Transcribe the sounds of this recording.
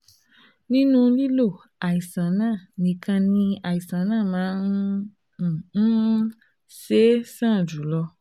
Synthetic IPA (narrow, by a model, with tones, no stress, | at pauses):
nĩ˦nũ˦li˦lo˦˨ | a˨i˨sã˨nãː˦˨nĩ˨kʰã˧nĩ˧a˨ji˨sã˨˦nãː˦˨mãː˨˦n̩˦˨˦ | se˦sã˦˨d͡ʒu˨˦lɔ˧